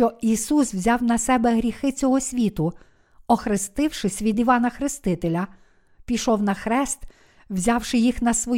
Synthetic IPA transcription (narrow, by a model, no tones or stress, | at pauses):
t͡ʃɔisuswzʲɑwnɐsɛbɛɦɾʲixɪt͡sʲɔɦɔsʲʋʲit̪ʊ | ɔxɾɪst̪ɪwʃɪsʲʋʲid̪iʋɑnɐxɾɪst̪ɪt̪elʲɐ | pʲiʃɔwnɐxɾɛst̪ | wzʲɑwʃɪjixnɐsʋɔ